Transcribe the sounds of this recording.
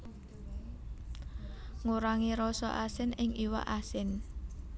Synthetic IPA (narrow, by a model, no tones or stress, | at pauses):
ŋuɾaŋiɾɔsɔ̰ʔasɪnɪŋʔiwa̰ʔasɪn